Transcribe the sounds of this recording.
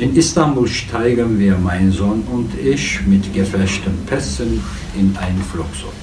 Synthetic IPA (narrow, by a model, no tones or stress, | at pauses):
ʔɪnɪstambuːlʃtʰaɪɡənviːɐmaɪnzɔnʊntɪçmɪtɡ̥əfɛʃtənpʰɛsən | ʔɪnʔaɪnənflʊksɔ̰